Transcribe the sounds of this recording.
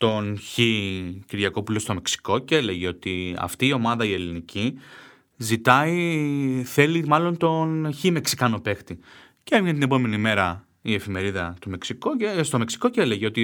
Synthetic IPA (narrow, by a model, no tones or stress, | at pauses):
t̪o̞nçiciɾʝɐko̞pulo̞st̪o̞me̞ksi̥ko̞cele̞ʝeo̞t̪iɐ̰ft̪iːo̞mɐðɐie̞linicʰi | zit̪ɐi | θe̞limɐlo̞nt̪o̞nçime̞ksi̥kɐno̞pe̞xt̪i | ceevʝnt̪inepo̞me̞nime̞ɾɐ | ie̞fime̞ɾiðɐt̪ome̞ksikost̪o̞me̞ksi̥ko̞cele̞ʝeo̞t̪i